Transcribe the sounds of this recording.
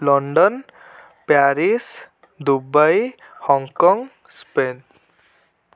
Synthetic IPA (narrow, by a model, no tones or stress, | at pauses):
lɔɳɖɔn | paɾis | d̪ubaj | hɔŋkɔŋ | spen